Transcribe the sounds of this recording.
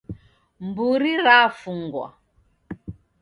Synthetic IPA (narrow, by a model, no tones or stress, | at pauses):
mbuɾiɾafuŋɡwa̰